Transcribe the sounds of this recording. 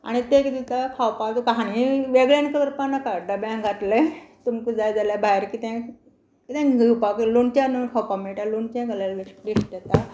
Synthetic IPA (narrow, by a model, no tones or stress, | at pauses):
a̰ɽ̃it̪ekd̪it̪akʰawpat̪ukaɦañiʋeɡɭjankəʋəɾpanakaɖəbjãŋɡʱaʈ̪let̪umkud͡zajd͡zaljabajɾkit̪ɛ̃ | kit̪ɛ̃ɡʱiwpakiluɳt͡ɕanunkʰawpameʈaluɳt͡ɕãɡʱəlalʋiʋiʂʈjet̪a